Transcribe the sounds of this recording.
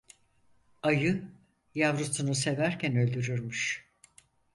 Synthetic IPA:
ajɯ | javɾut̪ʰunuse̞væɾcʰænø̞lʲd̪yɾyɾmyʃ

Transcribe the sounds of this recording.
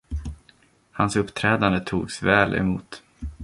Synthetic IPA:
hansɵpːt̪ʰɾɛːd̪and̪ət̪ʰuːɡsvɛːlʔɛ̰muːt̪

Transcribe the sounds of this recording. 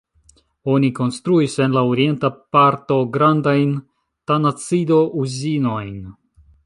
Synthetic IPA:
o̞niko̞nst̪ɾuise̞nlaoɾie̞ntapaɾto̞ɡɾandajn | tanat͡sido̞ʔuzino̞jn

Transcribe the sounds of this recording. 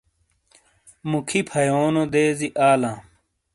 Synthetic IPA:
mukʰipʰɐjoːnod̪eːziʔaːlãː

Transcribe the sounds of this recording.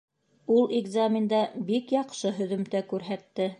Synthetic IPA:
ulˠɪɡzamʲɪnd̪ɑbikjɑqʃɤɦɵ̆ðɵ̆mt̪ækʉɾɦæt̪ːɘ

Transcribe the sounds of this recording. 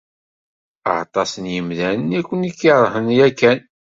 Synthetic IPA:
ə̰ʕt̪ˤɑsənjəmðænənækʷːənikːiɾˤhənjækːæn

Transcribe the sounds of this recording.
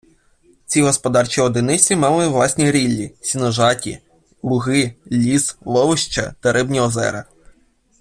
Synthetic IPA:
t͡sʲiɦɔspɔd̪ɑrt͡ʃʲiɔd̪ɪnɪt͡sʲimɑlˠɪʋlˠɑsʲnʲiɾʲilʲːisʲinɔʒɑtʲḭ | lˠʊɦɪlʲislˠɔʋɪʃt͡ʃɐ̰t̪ɐɾɪbnʲiɔzɛ̰ɾɐ

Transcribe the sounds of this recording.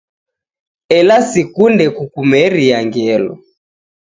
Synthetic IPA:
ɛlasikundɛkukumɛɾijaŋɡɛlɔ̰

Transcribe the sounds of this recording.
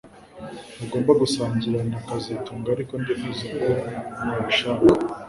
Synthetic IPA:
aɡo̞ːmbaɡusaːnzuɾanakazituːŋɡaːɾiko̞ndenizikonaβiʃaːka

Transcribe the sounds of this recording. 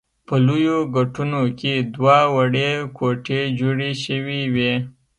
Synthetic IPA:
pəlujoɡaʈunoked̪wawaɽekoʈed͡ʒoɽeʃəwiwe

